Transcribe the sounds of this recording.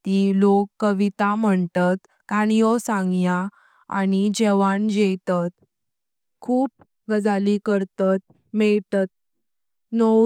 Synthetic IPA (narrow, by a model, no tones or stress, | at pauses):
t̪ilokːəʋit̪am̤əɳt̪at̪ | kañijɔsãŋɡja | a̰nid͡ʑeʋaɳd͡ʑet̪at̪̚ | kʰuːp̚ | ɡəd͡zalikəɾt̪at̪̚ | mɛɭt̪at̪̚ | no